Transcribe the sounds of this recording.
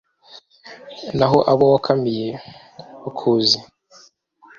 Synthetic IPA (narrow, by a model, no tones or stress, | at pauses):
naɦoʔaβowakʰamije | wakʰuːzi